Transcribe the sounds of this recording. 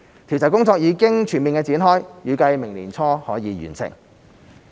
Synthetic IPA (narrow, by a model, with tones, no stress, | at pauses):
t̪ʰi˨˩wt͡sɐ˨˩kʊ˥ŋt͡sɔː˧k̚jiː˨˧kɪ˥ŋt͡ʃʰyː˨˩nmiː˨nkɛː˧t͡siː˨˥nɦɔː˥jjyː˨˧kɐ˧jmɪ˨˩ŋlḭː˨˩nt͡sʰɔː˥hɔː˨˥jiː˨˧ɥy̰˨˩nsɪ̰˨˩ŋ